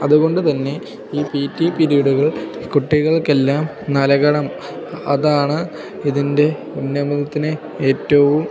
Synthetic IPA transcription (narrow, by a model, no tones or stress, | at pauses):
ɐðuɣo̞ɳɖɨt̪ɐnːe̞ | iːpiːtːipiɾijɽuɣɐɭkuʈːiɣɐɭkelːaːm | nɐlɐɣɐɽɐm | ɐðaːɳɨ | iðinde̞ | unːɐmuðɐt̪ːinɨ | eːtːɐʋum